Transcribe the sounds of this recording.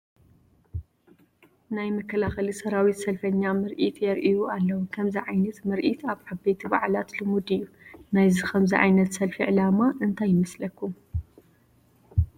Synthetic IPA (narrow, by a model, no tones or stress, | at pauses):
najmɐkʰːɐlaxɐlisɐɾawit̪sɐlfɐɲːamɨɾʔit̪ʰjɛɾʔijualːɐwukʰɐmziʕajnɐt̪mɨɾʔit̪ʰaβʕaβbet̪ʰiba̰ʕlat̪lɨmud̪ijːu | najzixʰɐmziʕa̰jnɐt̪sɐlfiʕɨlamaʔɨnt̪ʰajːɪmɐslɐkːum